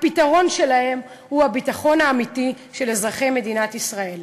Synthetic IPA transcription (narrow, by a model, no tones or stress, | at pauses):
pitaʁo̞nʃe̞lahe̞m | huabitaχo̞naːmiti | ʃelezʁaχe̞jme̞dinatisʁae̞l